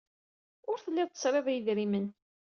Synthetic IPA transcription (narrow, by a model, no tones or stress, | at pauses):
ʊɾθəlːɪðˤt̪ːə̥sˤɾˤavæjðɾimən